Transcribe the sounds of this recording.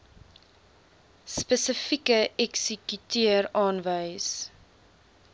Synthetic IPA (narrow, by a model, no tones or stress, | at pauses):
spəsəfikəɛksəkytiərɑːnvəjs